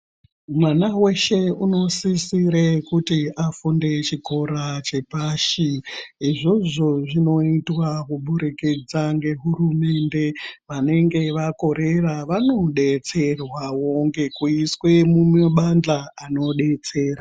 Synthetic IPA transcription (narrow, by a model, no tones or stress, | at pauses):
mwanawe̞ʃe̞uno̞sisiɾekutiafunde̞t͡ʃiko̞ɾat͡ʃe̞paʃiiʐo̞ʐo̞ʐino̞itwakuɓuɾikid͡zaŋɡe̞ɦuɾume̞nde̞ʋane̞ŋɡe̞ʋako̞ɾe̞raʋano̞ɗe̞t͡se̞rwawoŋɡe̞kuiswe̞mumeɓand͡ɮaano̞ɗe̞t͡se̞ːɾa